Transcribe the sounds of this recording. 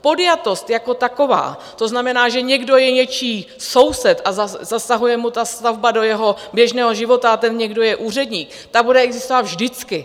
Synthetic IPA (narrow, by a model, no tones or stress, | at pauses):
po̞djat̪o̞st̪jako̞t̪ako̞va̰ː | t̪o̞znamɛnaːʒɛɲɛɡdo̞jɛɲɛt͡ʃiː | so̞wsɛt̪ʔazazasaɦujɛmut̪ast̪avbado̞jɛɦo̞bjɛʒnɛːɦo̞ʒɪvo̞t̪aat̪ɛnɲɛɡdo̞jɛʔuːr̝ɛdɲiːk | t̪abudɛɛɡzɪst̪o̞vat̪vʒdɪt͡skɪ